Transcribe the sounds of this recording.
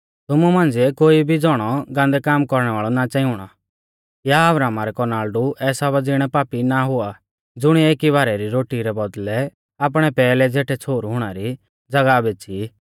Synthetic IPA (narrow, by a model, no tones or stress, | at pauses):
t̪ʊmumãːnd͡ziɛkoːibʱid͡zɔɽ̃ɔɡãːnd̪ɛkaːmkɔɾɽ̃ɛʋaːɭɔnat͡ʃɛ̃ːĩʊɽ̃ɔ̰ | jaɐbɾaːmaɾɛkɔɾnaːlɖuʔɛːsaʋɐd͡ziɽ̃ɛpaːpinaɦʊa | d͡zʊɽ̃ieːkiβaːɾɛɾiɾoːʈiɾɛbɔd̪lɛ | ap̬ɽ̃ɛpɛːlɛd͡zeːʈʰɛt͡sʰoːɾɦʊɽ̃aɾi | d͡zɐɡabeːt͡ʃʰi